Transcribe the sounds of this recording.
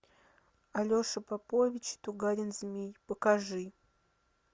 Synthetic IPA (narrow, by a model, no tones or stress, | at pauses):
ɐlʲoʂɨpɐpovʲɪt͡ɕɪ̥t̪ʊɡaɾʲɪnzʲmʲijpəkaʐɨ